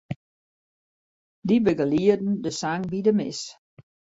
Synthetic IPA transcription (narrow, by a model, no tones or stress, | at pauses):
dibəɡəliədn̩dəsaŋbidəmɪ̰s